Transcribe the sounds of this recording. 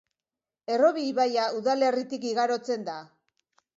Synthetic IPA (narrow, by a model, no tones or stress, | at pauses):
e̞ro̞βiβajauðale̞rit̪ikiɣaɾo̞t͡se̞nd̪a